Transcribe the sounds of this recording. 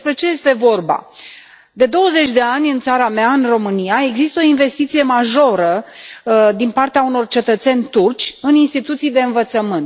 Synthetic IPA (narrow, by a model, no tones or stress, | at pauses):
spɾe̞t͡ʃe̞je̞st̪e̞vo̞rba̰ | d̪e̞d̪o̞wəze̞t͡ʃʲd̪e̞anʲɨnt̪saɾameaɨnro̞mɨnijae̞ɡzist̪əo̞inve̞st̪it̪sije̞maʒo̞ɾə | d̪inpart̪eauno̞rt͡ʃe̞t̪ət̪se̞nʲt̪urt͡ʃʲɨninst̪it̪ut̪sijd̪e̞ɨnvət̪səmɨnt̪